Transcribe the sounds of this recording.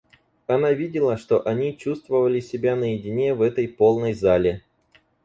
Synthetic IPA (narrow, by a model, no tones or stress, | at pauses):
ɐnavʲidʲɪlˠəʂt̪o̞ʔɐnʲit͡ɕust̪vəvəlʲɪsʲɪbʲanəjɪdʲɪnʲe̞vɛt̪əjpo̞lˠnəjzalʲɪ